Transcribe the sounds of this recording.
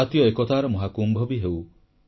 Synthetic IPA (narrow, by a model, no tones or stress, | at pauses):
at̪jɔekɔt̪aɾɔmɔɦakumbʱɔbiɦew